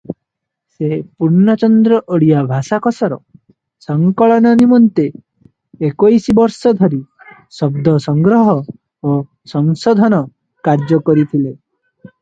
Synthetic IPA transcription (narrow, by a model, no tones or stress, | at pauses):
sepuɾnat͡ʃɔnd̪ɾɔʔoɽijabʱasakɔsɔɾɔ̰ | sɔŋkɔɭɔnɔnimɔnt̪eː | kojsibɔɾsɔd̪ʱɔɾi | sɔbd̪ʱɔsɔŋɡɾɔɦɔ | o | sɔŋsɔd̪ʱɔnɔ | kaɾd͡ʒɔkɔɾit̪ʰile